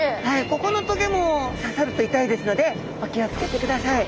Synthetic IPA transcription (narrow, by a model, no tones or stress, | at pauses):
haiko̞ko̞no̞t̪oɡʲemosasaɾɯ̟t̪o̞it̪aid̪e̞sɨno̞d̪e̞ | βakʲiat͡sɨ̥ke̞t̪e̞kɯ̟d̪asai